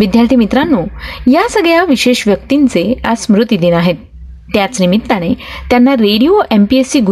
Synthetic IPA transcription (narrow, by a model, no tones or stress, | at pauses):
ʋid̪jaɾt̪ʰiːmit̪ɾanːuːjasəɡɭjaʋiɕeɕʋjək̚t̪int͡seasmɾut̪id̪iːnaɦet̪ː | jat͡snimit̪ːaɽ̃et̪janːaɾeɽioʔempiesiɡ